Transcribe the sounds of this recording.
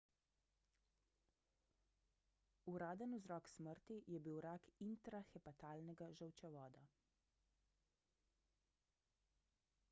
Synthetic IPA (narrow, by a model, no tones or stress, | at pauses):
uɾaːd̪ənuzɾɔːksməɾt̪ijɛbiwɾakint̪ɾaxɛpat̪aːlnɛɡaʒəwt͡ʃɛʋɔːd̪a